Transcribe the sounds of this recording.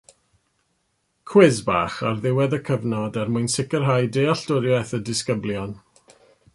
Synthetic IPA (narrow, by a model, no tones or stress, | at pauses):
kʰwɪzba̰ːχarðɪwɛðəkʰəvnɔdarmʊjnsɪkərɦajdeaɬtʊɾjɛθədɪskəbljɔn